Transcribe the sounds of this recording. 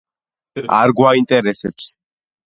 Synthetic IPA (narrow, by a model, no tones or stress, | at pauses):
a̰ɾɡwaint̪ʼɛɾɛsɛps